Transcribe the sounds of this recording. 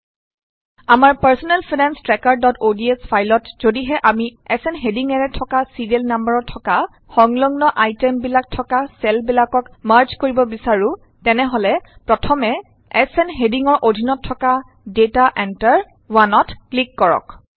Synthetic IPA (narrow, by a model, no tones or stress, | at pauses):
amaɹpaɹsɔnɛlpʰinɛnstɹɛkaɹdɔtʰodiespʰajlɔtz̥odiɦɛʔamiɛsɛnɦediŋɛɹɛtʰɔkasidielnambaɹɔtʰɔka | xɔŋlɔŋnɔʔajtɛmbilak̚tʰɔkasɛlbilakɔkmaɹt͡ʃkoɹibɔbisaɹũ | tɛnɛɦɔlɛpɹɔtʰɔmɛ | ɛsɛnɦediŋɔɹʔodʱinɔtʰːɔka | detaʔɛntaɹ | wanɔtklikːɔɹɔ̰k